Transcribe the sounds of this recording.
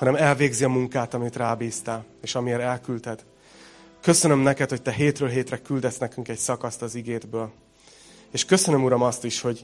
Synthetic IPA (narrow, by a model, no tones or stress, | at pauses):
hɒnɛmɛlveːɡziɒmuŋkaːt̪ɒmit̪raːbiːst̪ɛleːʃɒmieːɾɛlkylt̪ɛd̪̥ | kø̞sønømnɛkɛt̪ho̞c̚t̪ɛɦeːt̪røːlɦeːt̪rɛkyld̪ɛt̪snɛkyŋkɛcsɒkɒst̪ɒziɡeːd̪bøːl | eːʃkø̞sø̞nømuɾɒmɒst̪iʃho̞ɟ